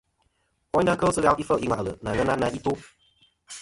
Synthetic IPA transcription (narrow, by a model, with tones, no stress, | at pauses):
ɔ˦na˦kə˦sɨ˦ɣa˦wi˦fə˦˨ʔi˦ŋʷa̰˨lə̰˨na˨ŋə˦na˦na˧ʔi˦tu˦